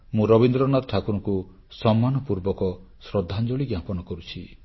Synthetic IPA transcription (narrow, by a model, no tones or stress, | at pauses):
mũɾɔbind̪ɾɔnat̪ʈʰakuɾɔku | sɔmːanɔpuɾbɔkɔ | sɾɔd̪ʱːand͡ʒɔɭiɡjapɔnɔkɔɾut͡ʃʰi